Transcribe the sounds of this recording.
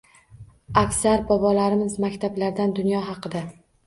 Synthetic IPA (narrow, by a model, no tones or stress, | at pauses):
akʲsaɾbɒbɒlaɾɪmɪzmakʲt̪ʰablaɾd̪and̪ʊnjɒɦɑqɨd̪a